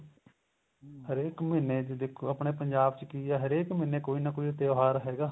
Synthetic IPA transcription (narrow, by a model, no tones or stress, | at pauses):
ɦəɾeːkmẽneːd͡ʒd̪ekʰːoːəpɳeːpəɲd͡ʒaːbt͡ʃkiːaːɦəɾeːkmɪneːkoːiːnaːkoːit̪eoːɦaːɾɦɛːɡaː